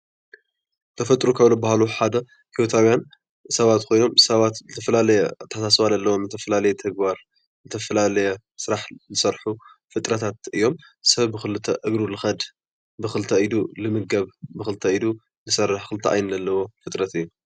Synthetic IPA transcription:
t̪ʰɐfɐt̪ʼɾukʰɐβlobahaluħad̪ɐ | hiwot̪ʰawjan | sɐβat̪kʰo̞jno̞msɐβat̪zɨt̪ʰɐfɐlalɐjɛt̪ʰːɐħasasβalɐlːɐwomzɨt̪ʰɐfɐlalɐjɛt̪ʰɐɡbaɾ | zɨt̪ʰɐfɐlalɐjɛ | sɨɾaħzɨsɐɾħu | fɨt̪ʼɾɐt̪ʰat̪ɨjːo̞m | sɐβbɨxɨlɨt̪ʰɐʔɨɡɾulɨxɐd̪ | bɨxɨlt̪ʰɐid̪ulɨmɨɡɐβbɨxɨlt̪ʰɐid̪u | zɨsɐrːɨħxɨlɨt̪ʰɐʔa̰jnzɐlːɐwo̞fɨt̪ʼɾɐt̪ɨjːu

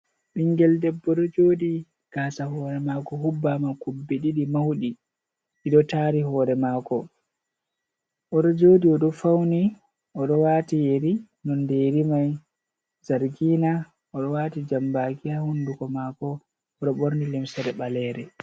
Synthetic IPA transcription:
ɓiŋɡɛldɛbːɔɗɔd͡ʒoːdi | ɡ̥aːsaɦɔːɾɛmakɔɦubːamakubːeɗiɗimawɗi | iɗɔtaɾihɔːɾɛmaːkɔ | ʔɔɗɔd͡ʒoːdiɔɗɔfawni | ʔɔɗɔwaːtijeɾi | nɔndɛjɾimaj | zaɾɡiːna | ʔɔɗɔwaːtid͡ʒambaːkihahundukɔmakɔ | ɔɗɔɓoɾnilimsaɾɛɓalɛːɾɛ

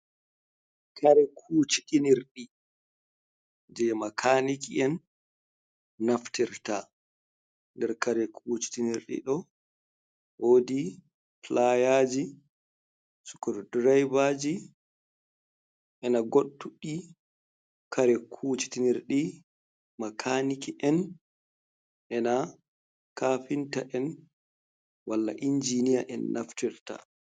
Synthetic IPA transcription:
kʰaɾɛkʰuːt͡ʃi̥tiniɾɗi | d͡ʒɛmakʰanikiɛn | aftiɾta̰ | ndɛɾkaɾɛkʰuːt͡ʃi̥tiniɾɗḭɗɔ | woːdi | plajaːd͡ʒi | su̥kɔɾdɾajvad͡ʒi | ʔɛnaɡoɗːuɗi | kʰaɾɛkʰuːt͡ʃi̥tiniɾɗi | makʰanikiʔɛn | ʔɛna | kafintaʔɛn | walːa̰ʔind͡ʒinija̰ʔɛ̰nːʔaftiɾta̰

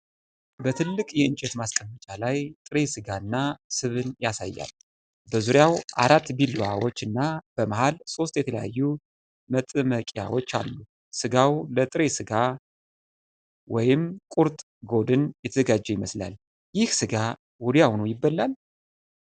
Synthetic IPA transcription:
bət̪ʰɨlːɨkʼjɛɨnt͡ʃʼɛt̪maskʼəmːət͡ʃʼalajt̪ʼɨɾesɨɡaɨnːasɨβɨnjasa̰jːa̰l | bəzuɾjawʔa̰ɾat̪ːbiluawot͡ʃːɨnːab̥əmaɦalso̞st̪jɛt̪ʰələja̰jːu | mət̪ʼɨməkʼja̰wo̞t͡ʃːa̰lːu | sɨɡawlət̪ʼɨɾesɨɡa | wɔjɪmkʼuɾt̪ʼ | ɡo̞d̪ɨnjɛt̪ʰəzəɡad͡ʒːɛjɪməsla̰l | jɪhsɨɡa | wɔd̪ijawnəwjɪbːəlːal

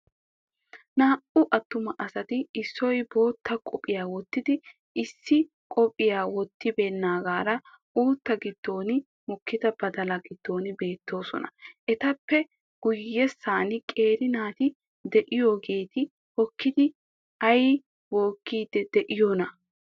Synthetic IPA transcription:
naːʔʊʔɐt̪ːʊmɐʔɐsɐt̪ɪɪsːɔjbo̞ːt̪ːɐkʼɔpʼːɪjaːwɔt̪ːɪd̪ɪ | ɪsːɪ | kʼɔpʼɪjaːwɔt̪ːɪbeːnːaːɡaːɾɐ | uːt̪ːɐɡɪd̪̥ːo̞ːnɪ | mɔkːɪd̪ɐbɐd̪ɐlɐɡɪd̪̥ːo̞ːnɪbe̞ːt̪ːo̞ːsɔ̰nɐ̰ʔɛt̪ɐpːɛ | ɡ̥ʊjːɛsːaːnɪkʼe̞ːɾɪnaːt̪ɪ | d̪ɛʔɪjo̞ːɡe̞ːt̪ɪ | hɔkːɪd̪ɪ | ɐj | wo̞ːkːiːd̪ːɛd̪ɛʔɪjoːnɐ

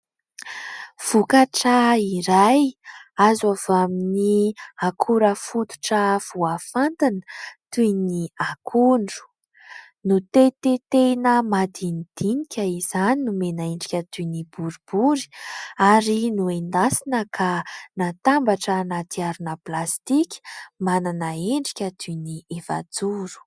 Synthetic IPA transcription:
v̥ukaʈ͡ʂəiɾajazavaminiakʰuɾəfut̪u̥ʈ͡ʂəv̥uafant̪inə̥t̪uniakʰuɳɖ͡ʐu̥ | nut̪et̪et̪enəmad̪inid̪̥inikʲəizaninumenaeɳɖ͡ʐikʲət̪unibuɾub̥uɾi̥aɾinuend̪asinəkʰanat̪ambaʈ͡ʂənat̪iaɾunəplast̪ikʲi̥mananəeɳɖ͡ʐi̥kʲət̪ʰunieva̰d͡zuɾu̥

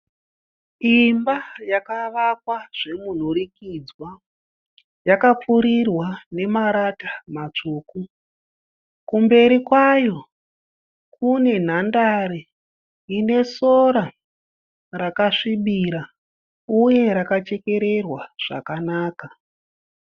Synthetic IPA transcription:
imbajakaʋakwaʐ̥e̞mun̤uɾikid͡zwa | jakap͡fuɾirwane̞maɾatḁmat͡ʂuːku | kumbe̞ɾikwajo̞ | kune̞n̤andaɾe | ine̞soɾa | rakaʂiɓiɾa | uje̞ɾakat͡ʃe̞ke̞ɾe̞rwaʐ̥a̰kanaːka

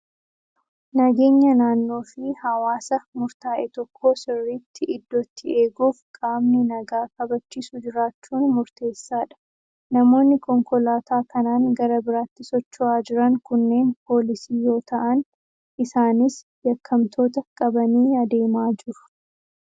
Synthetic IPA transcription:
nɐɡe̞ːɲːɐnaːnːo̞ːfɪhɐwaːsɐmʊɾt̪aːʔɛt̪ɔkʰːo̞ːsɪrːiːt̪ʰːɪɪd̪ːɔt̪ʰːɪe̞ːɡuːfkʼaːmnɪnɐɡaːkɐbɐt͡ʃːiːsud͡ʒɪɾaːt͡ʃːuːnmʊɾt̪e̞ːsːaːᶑɐ̥ | nɐmo̞ːnːɪkɔŋkɔlaːt̪aːkɐnaːŋɡɐɾɐbɪɾaːt̪ːɪsɔt͡ʃːʊʔaːd͡ʒɪɾɐŋkʊnːe̞ːnpʰo̞ːlɪsiːjo̞ːt̪ɐʔɐn | ʔɪsaːnɪs | jɐkʰːɐmt̪ʰo̞ːt̪ɐkʼɐbɐniːɐd̪e̞ːmaːd͡ʒɪɾʊ̥

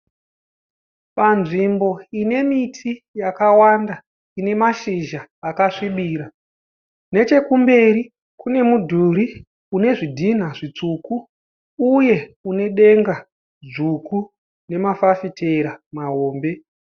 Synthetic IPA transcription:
panʐimbo̞ine̞mitʰijakawanda | ine̞maʃiʒaːkaʂiɓiːɾa | ne̞t͡ʃe̞kumbe̞ɾi | kune̞mudʱuɾi | une̞ʐidʱin̤aʐit͡suːkuː | je̞une̞ɗe̞ŋɡa | ʐuku | ne̞mafafitʰe̞ɾamaɦo̞ːmbe̞

